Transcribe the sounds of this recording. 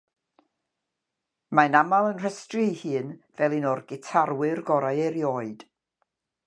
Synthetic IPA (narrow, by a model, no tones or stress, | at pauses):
manamalˠənr̥əstrɨhɨːnvɛlˠinɔrɡɪtʰarwɪrɡɔɾajɛɾjoːɨd̥